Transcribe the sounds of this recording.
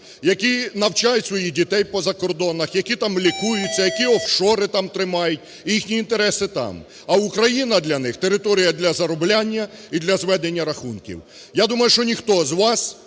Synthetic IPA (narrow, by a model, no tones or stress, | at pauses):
jɐkʲinɐwt͡ʃajʊtʲsʋɔjidʲit̪ɛjpɔzɐkɔrd̪ɔnɐxjɐkʲit̪ɑmlʲikujʊt͡sʲːɐjɐkʲiɔwʃɔɾɪt̪ɑmt̪ɾɪmɑjʊt̚ʲ | ixnʲiːnt̪eɾɛsɪt̪ɑ̰m | ɐʊkɾɐjinɐd̪lʲɐnɪxt̪eɾɪt̪ɔɾʲijɐd̪lʲɐzɐɾɔblʲanʲːɐid̪lʲɐzʋɛd̪enʲːɐɾɐxunkʲḭw | jad̪umɐjʊʃt͡ʃɔnʲixt̪ɔzʋɑs